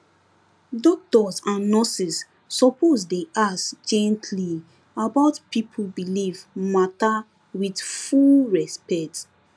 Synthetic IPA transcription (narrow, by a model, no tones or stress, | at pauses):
dɔd̥ɔtsãnːɔsisː | ɔpozdeʔaskd͡ʒɛ̃ntʰli | abaʊtpipʰbilivmata | widfulɹɛspɛk̚t